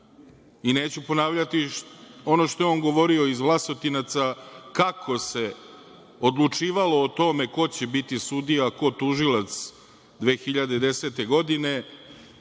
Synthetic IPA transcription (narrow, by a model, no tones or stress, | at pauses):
ine̞ːt͡ɕupo̞naːʋʎat̪io̞no̞ʃt̪o̞jeo̞ːnɡo̞ʋo̞ɾio̞izʋlˠaso̞t̪inat̪sakakʰo̞se̞ | od̪lˠut͡ʂiːʋalo̞ːt̪o̞me̞ko̞t͡ɕe̞bit̪isud̪ijako̞t̪uʒilat̪s | d̪ʋe̞ːxiʎad̪e̞d̪e̞se̞t̪e̞ɡo̞d̪ine̞